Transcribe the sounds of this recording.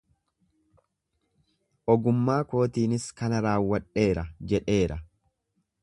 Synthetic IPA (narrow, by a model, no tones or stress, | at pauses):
ʔɔɡʊmːaːko̞ːt̪iːnɪskɐnɐɾaːwːɐᶑe̞ːɾɐd͡ʒɛᶑe̞ːɾɐ